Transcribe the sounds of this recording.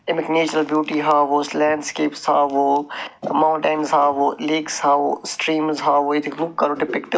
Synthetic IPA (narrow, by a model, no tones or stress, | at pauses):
ɪmɪkneːt͡ʃɾəlbjuːʈiɦaːʋoːslɛ̃ːɳɖskeːpsaːʋoːmãʊɳʈanzɦaːʋoːleːksɦaːʋoːsʈɾiːmzɦaːʋoet̪ʰeɡɾup̚kɐɾoːɖɪpɪkʈ̪